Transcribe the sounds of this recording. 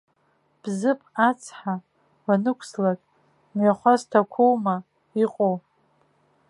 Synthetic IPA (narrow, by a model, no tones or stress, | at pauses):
b̥zɨpʼat͡sʰħa | wanɨkʷʰslakʼ | mɥaχʷastʰakʷʰowma | iqʼo